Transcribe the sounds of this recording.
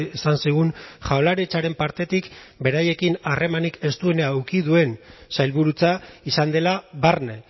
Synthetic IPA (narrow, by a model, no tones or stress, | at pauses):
esansiɣ̞unʝawlaɾet͡ʃaɾe̞mpaɾt̪e̞t̪ikbe̞ɾaje̞kinare̞manike̞st̪ue̞neawkiðue̞nsajlβuɾut͡saisand̪e̞laβarne